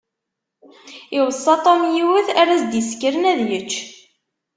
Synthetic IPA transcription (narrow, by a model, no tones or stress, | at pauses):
iwəsˤːɑt̪ˤomjiwəθæɾæsd̪iskːəɾənæðjət͡ʃː